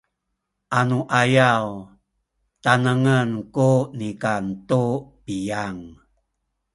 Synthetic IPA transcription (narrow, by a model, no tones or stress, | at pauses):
ʔanuʔajaw | tanəŋənkunikantupijaŋ